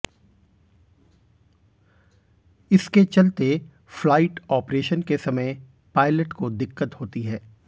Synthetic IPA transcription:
ɪsket͡ʃɐlt̪e | flaːɪʈɔːpɾeːʃənkesɐməj | paːɪləʈkod̪ɪkːət̪ɦoːt̪iɦɛː

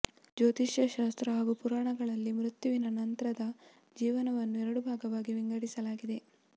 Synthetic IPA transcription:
d͡ʒoːt̪iʃjɐʃaːst̪ɾɐɦaːɡupuɾaːɳɐɡɐɭɐlːimɾut̪juʋinɐnɐnt̪ɐɾɐd̪ɐ | d͡ʒiːʋɐnɐʋɐnːuɛɾɐɽubʱaːɡɐʋaːɡiʋiŋɡɐɽisɐlaːɡid̪e̞

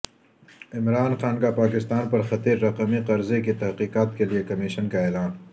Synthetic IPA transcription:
ɪmɾaːnxaːnkapaːkɪst̪aːnpɐɾxɐt̪iːɾːɐqɐmiqɐɾzekit̪ɐɦqiːqaːt̪̚keliekɐmɪʃənkaeːlaːn

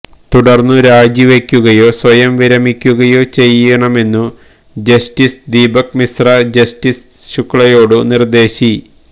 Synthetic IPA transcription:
t̪uɽɐrnːuɾaːd͡ʑjiʋekʲːuɣɐjo̞ːsʋɐjɐmʋiɾɐmikʲːuɣɐjo̞ːt͡ɕe̞jːɐɳɐme̞nːu | d͡ʑɐstisd̪iːbɐkmisrɐd͡ʑɐstisɕukːɭɐjo̞ːɽɨnird̪e̞ːɕi

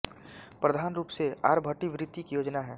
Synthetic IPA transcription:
pɾəd̪ʱaːnɾuːpseaːɾbʱəʈiʋɾɪt̪jikjoːd͡ʒnaɦɛː

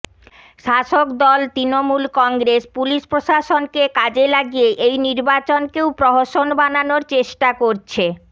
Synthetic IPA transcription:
ʃaʃokd̪ɔlt̪ɾinomulkɔŋɡɾespuliʃpɾoʃaʃonkekad͡ʑelaɡijeʔejniɾbat͡ɕonkewpɾɔɦoʃonbananoɾt͡ɕeʃʈakoɾt͡ɕʰe

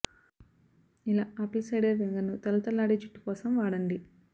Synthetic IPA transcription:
ilaːɐpːɐlsɐjɖɐɾʋeŋɡɐnːut̪ɐlut̪ɐlːaːɽid͡ʒuʈːi̥kɔːsɐmʋaːɽɐɳɖi

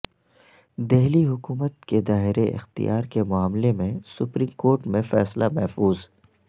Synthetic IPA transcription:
d̪eɦliɦʊkuːmət̪̚ked̪aːɦɪɾeʔɪ̰xt̪ḭjaːɾkemʊaːmlemẽsʊpɾiːmkoːɾʈmẽfɛ̰ːslamɛɦfuːz

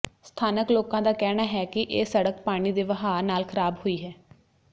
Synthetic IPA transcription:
st̪ʰaːnəkloːkãːd̪aːkɛːɽ̃aːɦɛːkɪʔeːsəɽəkpaːɽ̃iːd̪eːʋəɦaːnaːlkʰəɾaːbhoiːɦɛː

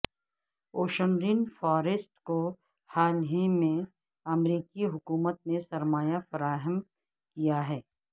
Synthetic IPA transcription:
oːʃənɾinfɔːɾesʈko | haːlɦẽmẽ | ɐmɾiːkiɦʊkuːmət̪̚nesɐɾmaːjafɐɾaːɦəm | kijaɦɛː

